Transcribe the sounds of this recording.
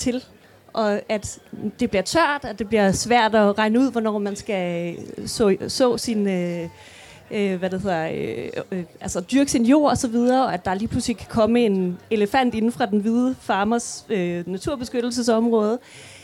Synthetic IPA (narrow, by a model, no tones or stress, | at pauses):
t͡sʰe̝l | ʔɒ̽æd̥d̥e̝b̥liɐt͡sʰɶɐ̰d̥æd̥e̝b̥liɐsʋæɐ̰d̥ɒ̽ʁɑ̈ɪnəuð̞̰ˠʋɒnɒ̰ːmænsɡ̥æ | sɔ̰sɔ̰̽ːsinø | ʋæd̥ehe̝ð̰ˠɐ | ælsɐd̥yɐɡ̥əsinjo̝̰ːɐ̰ɒsɒ̽ʋið̞ˠɐɒ̽æd̥ɑ̈liːpʰluslikʰæ̥kʰɒ̽məe̝ne̝ləfæn̰d̥e̝n̩fʁɑ̈d̥enʋið̞ˠəfɑ̈ːmɐsønæt͡sʰuɐb̥e̝sɡ̥ød̥l̩s̬əsɒ̽mʁɔ̽ːð̞ˠə